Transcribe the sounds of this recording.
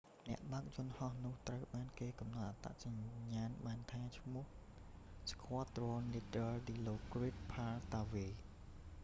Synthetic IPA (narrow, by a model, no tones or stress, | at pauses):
nɛ̆əʔɓaək̚jʊ̆ənhɑhnʊ̆əht̪rəwɓaːnkeːkɑmnɑt̪̚ʔat̪a̰ʔsaɲɲaːnɓaːnt̪ʰaːt͡ɕʰmʊ̆əh | skʰŏət̪roənliəd̪əlɗiːloːkrit̪̚pʰaːlt̪aːʋiː